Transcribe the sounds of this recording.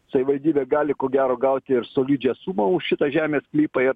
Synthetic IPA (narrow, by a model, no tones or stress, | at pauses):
sɐʋʲɪʋɐlʲd̪ʲiːbʲeːɡɑːlʲɪkoːɡʲæːɾoːɡɐʊt̪ʲɪɪɾsoːlʲiːd͡ʒʲɛːsuːmɐʊʃʃʲɪt̪ɐʒʲæːmʲeːsklʲiːpɐɪɾ